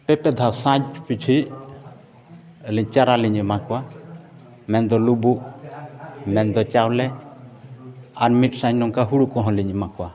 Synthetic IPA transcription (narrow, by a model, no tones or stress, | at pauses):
pɛpɛd̪ʱasãd͡ʒpit͡ʃʰi | liɲt͡ʃaɾaliɲimakwa | mɛnd̪ɔlubu | mɛnd̪ɔt͡ʃawlɛ | aɾmiʈsãɲnɔŋkaɦuɽukɔɦɔ̃liɲimãkwa